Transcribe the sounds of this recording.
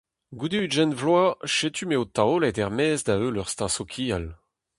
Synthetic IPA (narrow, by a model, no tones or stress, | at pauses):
ɡud̪eyʒɛnvlwaʃet̪ʰymeot̪aolɛt̪ɛʁmɛːzd̪aølœʁst̪ɑ̃sokʰiːal